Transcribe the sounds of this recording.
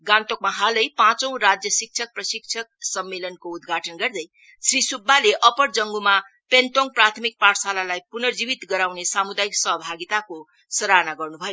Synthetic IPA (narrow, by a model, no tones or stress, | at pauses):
ɡãnt̪ok̚maɦalʌjpãt͡sʌ̃w̃ɾad͡zjʌsik̚t͡ʃʰʌk̚prʌsik̚t͡ʃʰʌk̚sʌmːelʌnkoud̪ɡʱaʈʌnɡʌrd̪ʌj | srisubʱːaleʔʌpʌɽd͡zʌŋɡuma | pent̪oŋ̚prat̪ʰmik̚paɾsalalajpunʌrd͡zibit̪ɡʌɾawnesamud̪ajiksʌɦʌbʱaɡit̪ako | sʌɾanaɡʌrnubʱʌjo